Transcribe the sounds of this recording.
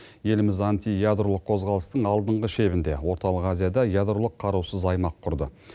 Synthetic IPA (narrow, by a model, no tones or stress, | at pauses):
je̞lɪmɪzant̪ijad̪ɾolˠəqʰo̞zʁɑlˠəst̪əɴɑlˠd̪əɴʁəʃe̞βɪnd̪e̞wo̞ɾt̪ɑlˠəqazijad̪ɑjad̪ɾolˠəqʰːɑɾuwsəzɑjmɑqʰːʊɾd̪ə̰